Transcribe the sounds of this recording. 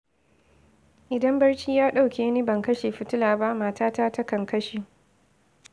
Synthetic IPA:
ʔɪ˨dɐ˦mbɐ˦rt͡ʃiː˦jaː˦ɗa˦wkʲeː˨˦niː˦bɐ˨ŋkɐ˦ʃeː˨ɸɪ˦tʊ˦laː˨ba˦ʔmaː˦taː˦taː˦tɐ˦kɐ˨ŋkɐ˦ʃeː˨

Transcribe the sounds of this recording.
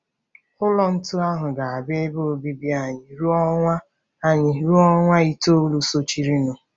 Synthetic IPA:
ʊ˦lɔ˦n̩˦tʊ˦a˦ɦʊ˨ɡa˨a˨be˦bo˦o˨bi˦bi˦a˨ɲɪ˨ɾu˦ɔ˦ŋʷa˦ | a˦ɲɪ˨ɾu˦ɔ˦ŋʷa˦i˦to˦lu˦so˦t͡ʃi˦ɾi˦nʊ˨

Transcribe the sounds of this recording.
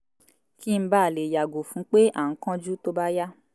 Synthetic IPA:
ki˦m̩˦ba˦˨le˨ja˨ɡo˨fũ˨˦k͡pe˦ʔa̰˨ŋ̩˦kã˦d͡ʒu˦to˦ba˦ja˦

